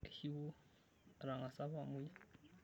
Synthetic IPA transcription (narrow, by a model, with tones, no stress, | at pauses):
hi˦wu˦ | ɾa˨ŋa˨sa˦βa˨mu˦ja˦